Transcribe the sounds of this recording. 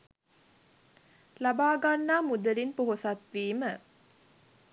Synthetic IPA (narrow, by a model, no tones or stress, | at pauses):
labaːɡanːaːmud̪əlinpoɦosat̪ʋiːmə